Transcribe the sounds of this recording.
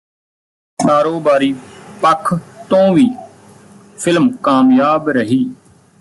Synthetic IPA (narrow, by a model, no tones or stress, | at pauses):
kaːɾoːbaːɾiːpəkʰt̪õːʋiː | pʰɪlmkaːmjaːbɾəɦiː